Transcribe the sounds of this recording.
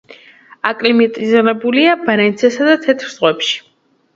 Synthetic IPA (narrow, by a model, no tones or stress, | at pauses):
akʼlimit̪ʼizɛnɛbuliabaɾɛnt̪sʰɛsad̪at̪ʰɛt̪ʰɾz̥ʁwɛpʃi̥